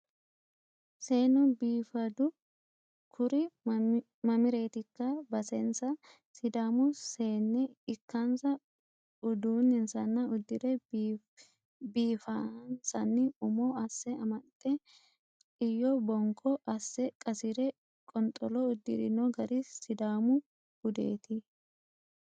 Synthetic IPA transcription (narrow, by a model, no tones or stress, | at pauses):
se̞ːnʊbiːfɐd̪ʊ | kʰʊɾɪ | mɐmɪɾe̞ːt̪ɪkːɐbɐsɛnsɐ | sɪd̪aːmʊse̞ːnːɛɪkːansɐ | ʊd̪uːnhɪnsɐnːɐʊd̪ːɪɾɛ | biːfansɐnːɪʊmɔɐsːɛɐmɐt̪ʼːɛ | ɪjːɔbɔŋkʰʼːɔʔɐsːɛkʼɐsɪɾɛ | kʼɔnt̪ʼːɔlɔʊd̪ːɪ̰ɾɪ̰nɔɡɐɾɪsɪd̪aːmʊ | ɡ̥ʊd̪ḛːt̪ɪ